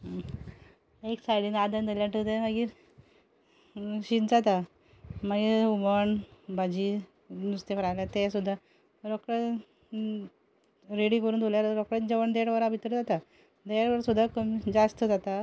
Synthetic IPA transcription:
eksajɽiːnad̪ənd̪əljaɳʈət̪ɛməɡiː | ɕit̪d͡zat̪a | maɡiuməɳbad͡ʑi | nust̪efɾalat̪ɛsud̪ʱːa | ɾɔkɾə | ɾeɽikəɾuːnd̪oljaɾɾɔkɾəd͡ʑəʋəɳd̪eɽʋəɾabʱit̪ɾəd͡zat̪a | d̪eɽʋəɾsud̪ʱːakəmid͡zast̪əd͡zat̪a

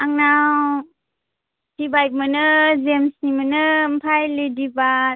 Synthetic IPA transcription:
aŋnaw | d̥ibajp̚mɯnɯzemsnimɯnɯm̩pʰajlidiba

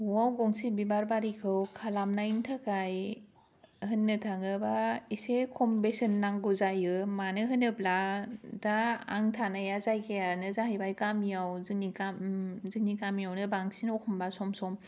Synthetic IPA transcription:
uawɡɔŋsibibaɾbaɾikʰɯwkʰalamnaintʰakaj | hɯnːɯtʰaŋɯbaisekʰɔmbesɯnːaŋɡuzajɯmanɯɦɯnɯpladaːŋtʰanajazajkʰejanɯzaɦajbajkamijawzɯŋnikamzɯŋ̚nikamijawnɯbaŋsinɔkʰɔmbasɔmsɔm

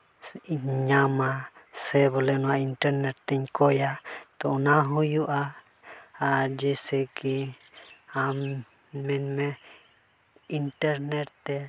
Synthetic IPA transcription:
ɲamasɛβɔlɛnuainʈɛɾnɛɾt̪ɛɲkojat̪onaɦujuʔa | ad͡ʒɛsɛki | am | mɛnmɛ | inʈɛɾnɛɾt̪ɛ

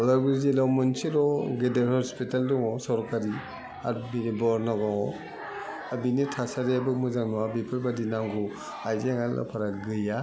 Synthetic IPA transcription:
ɔlaɾɡiɾizelawmɯnsiɾɔɡedeɾhɔspitalduŋɔsɔɾkaɾi | a̰ɾbibɔɾnaɡɔŋɔ | abinitʰasaɾeabɯmɯzaŋnɔabipʰɯɾbadinaŋɡu | ajzeŋala̰pʰaɾaɡɯja

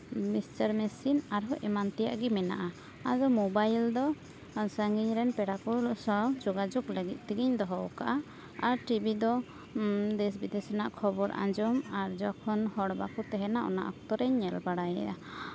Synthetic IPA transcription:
misʈəɾmɛsinaɾɦɔʔimant̪ɛja̰ʔɡɛmɛna̰ʔa | ad̪ɔmɔbajld̪ɔ | səŋɡiɲɾɛnpɛɽakɔsɔd͡ʒɔɡad͡ʒɔɡləɡit̪̚ˀt̪ɛɡiɲd̪ɔɦɔwkaʔa | aɾʈibid̪ɔ | d̪ɛs̬bid̪ɛsɔnaʔkʰɔbɔɾʔa̰ɲd͡ʒɔmaɾd͡ʒɔkʰɔnhɔɽba̰kɔt̪ɛɦɛnaʔɔ̰na̰ʔa̰kt̪ɔɾɛɲːɛlbaɽajɛ̰ʔa

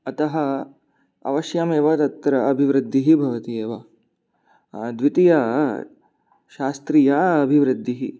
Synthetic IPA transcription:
ɐt̪ɐɦɐ | ɐ̰ʋɐʃjɐmeːʋɐt̪ɐt̪ːɾɐɐbʱiʋɾɪd̪ʱːiɦibʱɐʋɐt̪ieːʋɐ | d̪ʋit̪ijɐ | ʃaːst̪ɾiːjaːɐbʱiʋɾɪd̪ʱːiɦi

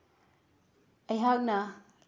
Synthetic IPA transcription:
ɐjɦak̚nɐ

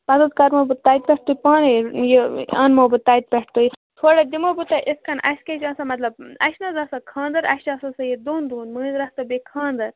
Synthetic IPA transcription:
pɐzɐt̪kɐɾmɐbɨt̪aːjt̪̚pʲeʈ̚t̪uipãːnejeɐ̰ːnmɐbɨt̪aːjt̪̚pʲeʈʰt̪uit̪ʰoːɽɐd̪imobut̪ɐʔiskɐnɐ̰sket͡ʃãːsɐmɐt̪lɐb̚ɐ̰ʃnɐzɐsɐkʰãːnd̪ɐɾɐ̰ʃt͡ʃasɐsɐjed̪uːnd̪uːnmɨːzɾɐst̪ɐbekʰãːnd̪ɐɾ

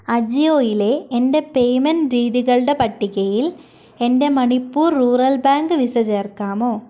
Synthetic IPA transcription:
ɐd͡ʒɪjoːjɪleːʔɛnɖɐpeːmɛnɾiːðɪɣɐɭɽɐpɐʈːɪɣɐjɪl | ɛnɖ̪ɐmɐɳɪpːuːɾːuːɾɐlbaːŋɡɯʋɪsɐd͡ʒɐɾkːaːmoː

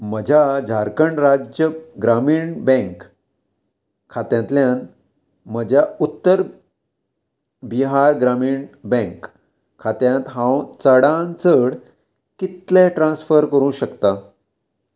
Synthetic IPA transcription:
məd͡ʑʱad͡ʑʱaɾkəɳɾad͡ʑəɡɾamiːɳbɛ̃ŋk | at̪jãnt̪ljãn | məd͡ʑʱjaut̪ːəɾ | biɦaɾɡɾamiːɳbɛ̃ŋkʰː | at̪jãt̪ɦãwt͡səɽãnt͡səɽ | kit̪lɛ̃ʈɾãnsfəɾkəɾũːɕəkt̪a

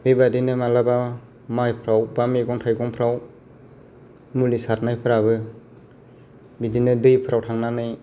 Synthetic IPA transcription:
bibadinɯmalaba | majpʰɾawbameɡɔŋtʰajɡɔŋpʰɾaw | mulisatnajpʰɯɾabɯ | bidinɯdɯjpʰɯɾawtʰaŋnanɯj

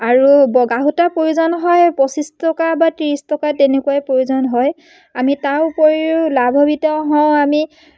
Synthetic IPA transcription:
aɹubɔɡaɦutapɹojuzɔnɦɔjpɔsistɔkabatiɹistɔkatenekuwajpɹojuzɔnɦɔj | amitawpoɹiʊlabʱɔbitɛ̃ɦɔ̃ami

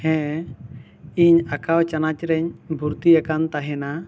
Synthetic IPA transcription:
hɛ̃ | iɲakawt͡ʃanat͡ʃɾɛɲbuɾt̪iakant̪aɦɛna

